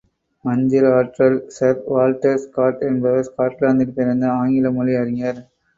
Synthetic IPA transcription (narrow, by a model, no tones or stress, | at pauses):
mɐɲd͡ʒɪɾaːʈɾɐlsɐɾʋaːlʈɐɾskaːʈɛnbɐðɯskaːɾʈlaːnd̪ɯʈːɯp̪ːɪɾɐnd̪ɐaːŋɡɪlɐmʊliɐɾɪŋɐɾ